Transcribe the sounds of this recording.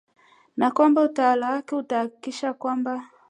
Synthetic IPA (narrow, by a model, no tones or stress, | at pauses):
nakwambautawalawakɛutahaki̥kiʃakwamba